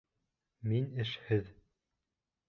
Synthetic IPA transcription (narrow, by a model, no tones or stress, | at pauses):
minɘ̆ʃhɘð